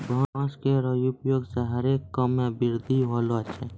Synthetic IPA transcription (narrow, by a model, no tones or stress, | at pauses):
bʱɔãːskeɾəjupjoːɡseɦəɾeːkːəmẽbɪɾd̪ʱiɦolot͡ʃʰɛː